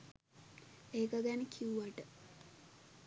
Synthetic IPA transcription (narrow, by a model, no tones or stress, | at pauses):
eːkəɡænəkʰiuʋaʈə